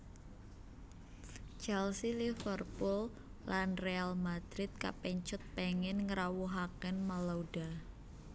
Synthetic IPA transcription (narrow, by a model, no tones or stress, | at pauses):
t͡ʃalsilifərpʊl | lanrealmad̪̥ɾɪt̪̚ka̰pɛɲt͡ʃʊt̪̚pɛŋɪnŋəɾawuɦakɛnmalowd̥a